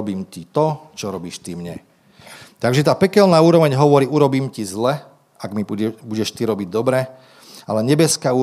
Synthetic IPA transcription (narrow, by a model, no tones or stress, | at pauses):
ɔbiːmcit̪ɔt͡ʃɔɾɔbiːʃt̪imɲɛ̰ | t̪aɡʒɛt̪aːpɛkɛlnaːuːɾɔʋɛɲɦɔʋɔɾiːuɾɔbiːmcizlɛ | aɡmibuɟɛʃt̪iɾɔbiɟd̪ɔbɾɛ | alɛɲɛbɛskauː